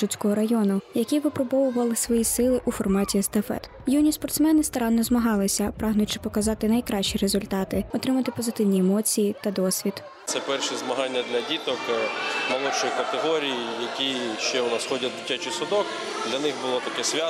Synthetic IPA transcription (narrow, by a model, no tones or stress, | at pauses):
ʒut͡sʲkɔɦɔɾɐjɔnʊjɐkʲiʋɪpɾɔbɔʋʊʋɐlˠɪsʋɔjisɪlˠɪʔufɔrmɑtʲiɐst̪ɐfɛ̰t̪ | junʲispɔrt̪smɛnɪst̪ɐɾɑnːɔzmɐɦɑlˠɪsʲɐpɾɑɦnʊjt͡ʃɪ̥pɔkɐzɑt̪ɪnɐjkɾɑʃt͡ʃiɾezʊlʲt̪ɑt̪ɪɔt̪ɾɪmɐt̪ɪpɔzɪt̪ɪwnʲiemɔt͡sʲijit̪ɐd̪ɔsʲʋʲid̪ | t̪sɛpɛrʃizmɐɦɑnʲːɐd̪lʲɐdʲit̪ɔkmɐlˠɔt͡ʃɔjikɐt̪eɦɔɾʲijijɐkʲiʃt͡ʃɛnɐsxɔdʲɐd̪ʲɪtʲːat͡ʃɪsʊd̪ɔk | d̪lʲɐnɪxbʊlˠɔt̪ɐkɛsʲʋʲa